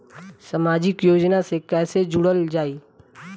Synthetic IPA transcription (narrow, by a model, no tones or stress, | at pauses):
səmaːd͡ʒɪkjoːd͡ʒnasekɛːsed͡ʒʊɽəld͡ʒaːiː